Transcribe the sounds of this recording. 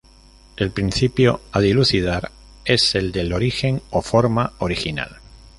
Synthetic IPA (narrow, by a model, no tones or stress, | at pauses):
e̞lpɾinθipjo̞aðiluθið̞aɾ | e̞se̞ld̪elo̞ɾixe̞ŋofo̞ɾmao̞ɾixina̰l